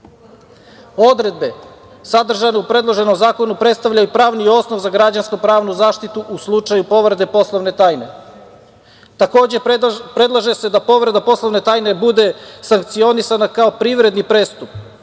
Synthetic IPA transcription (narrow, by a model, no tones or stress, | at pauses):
o̞d̪ɾe̞d̪̚be̞ | sad̪r̩ʒaneupɾe̞d̪lˠo̞ʒe̞nomzaːko̞nupɾet̪st̪aʋʎajupɾaːʋnio̞sno̞ʋzaɡɾad͡ʑanskupɾaːʋnuzaːʃt̪it̪uʔuslˠut͡ʂajupo̞ʋɾed̪e̞po̞slˠoʋne̞t̪aːjne̞ | t̪ako̞ːd͡ʑe̞pɾe̞d̪lˠaʒe̞se̞d̪apo̞ʋɾed̪apo̞slˠoʋne̞t̪aːjne̞bud̪e̞saŋkt̪sio̞nisanakaopɾiʋɾe̞d̪nipɾe̞ːst̪up̚